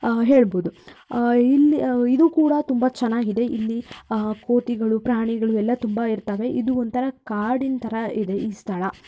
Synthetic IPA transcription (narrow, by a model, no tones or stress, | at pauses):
ɦe̞ːɭboːd̪u | ilːiid̪uːkuːɽɐt̪umbɐt͡ʃɛnaːɡid̪e̞ʔilːiko̞ːʈiɡɐɭupɾaːɳiɡɐɭuɛlːɐt̪umbɐiɾt̪ɐʋe̞ʔid̪uond̪t̪ʰɐɾɐkaːɾɽint̪ʰɐɾɐid̪e̞ʔiːst̪ʰɐɭɐ